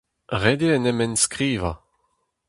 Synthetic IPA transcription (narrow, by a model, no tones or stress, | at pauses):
ʁed̪eɛnɛmɛnskʁiːva